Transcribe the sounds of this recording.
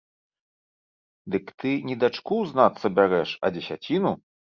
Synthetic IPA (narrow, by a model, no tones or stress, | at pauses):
d̪ɨkt̪ɨnʲid̪at͡ʂkuznat̪sːɐbʲaɾɛʂɐ̰d͡zʲɛsʲa̰t͡sʲinu